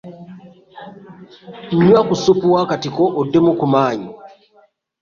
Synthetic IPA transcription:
ɲ̩ɲwakusupuwakatikoʔodːemukumaːɲu

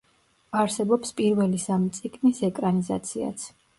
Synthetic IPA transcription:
aɾsɛbɔpspʼiɾvɛlisamit̪sʼiɡmisɛkʼɾaniza̰t̪sʰia̰t̪sʰ

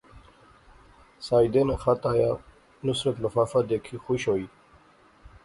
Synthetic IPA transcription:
saːjd̪enexat̪aja | nusɾət̪məfafad̪ekʰixuɕoi

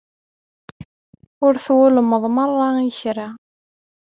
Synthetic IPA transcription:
ʊɾθwʊləmːəðˤmərˤːɑiçɾa

